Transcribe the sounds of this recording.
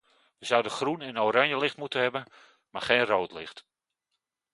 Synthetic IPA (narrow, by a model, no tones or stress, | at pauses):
ʋəzawdəxrunɪnowɾaɲjəlɪxtmutənɦɛbən | maχeːnrowtlɪxt